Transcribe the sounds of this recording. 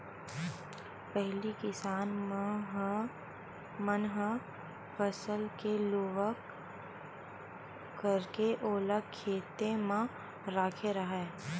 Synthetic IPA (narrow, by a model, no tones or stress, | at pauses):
pɛɦlikɪsaːn | mənɦ | fɐsəlkeloːʋək | kɐɾkeʔoːləkʰːeːt̪emã | ɾaːkʰeɾɐɦɛː